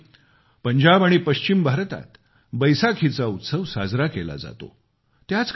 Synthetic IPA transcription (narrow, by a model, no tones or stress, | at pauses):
pəɲd͡ʑabaɽ̃ipəɕt͡ɕimbʱaɾt̪a̰t̪ | bəjsakʰit͡saut̪səʋsa̰d͡zɾakela̰d͡za̰t̪o̰ | t̪jat͡sk